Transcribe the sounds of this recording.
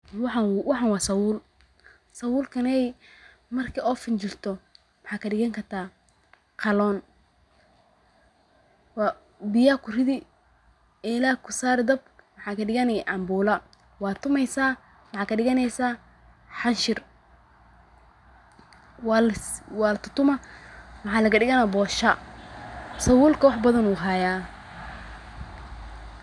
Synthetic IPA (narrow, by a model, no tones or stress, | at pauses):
ħwɑħɑnwɑːsɐwuːl | sɐwuːlkʰɐnɛj | mɐrkʰiːɔːfɪnt͡ʃɪrt̪ʰɔ | wɑħɑːkʰɐɖɪɣɐŋkʰɐrt̪ʰaː | qʰɑlɔːn | w | bɪjaːkʰʊrɪðɪ | ɛɪlaːkʰʊsaːɾɪd̪ɐb̚wɑħɑːkʰɐɖɪɣɐnɛjʕɑmbuːlɐ | wɑːt̪ʰːʊmɛjsaː | wɑħɑːkʰɐɖɪɣɐnɛjsaː | ħɑnʃɪr | wwɑːlɐt̪ʰʊt̪ʊmɐwɑħɑːlɐɡɐɖɪɣɐnabɔːʃa | sɐwuːlkʰɐwɑħbɐðɐnuːɦajaː